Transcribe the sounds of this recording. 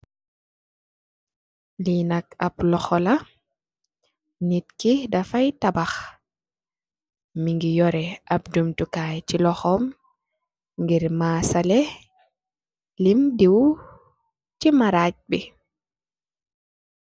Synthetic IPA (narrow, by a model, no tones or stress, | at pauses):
linakaplɔxɔla | nit̚kidafajtabax | miŋɡijɔɾɛʔap̚d͡ʒumtukajt͡ʃilɔxɔm | ŋɡiɾmaːsalɛ | limdiw | cimaɾac̚bi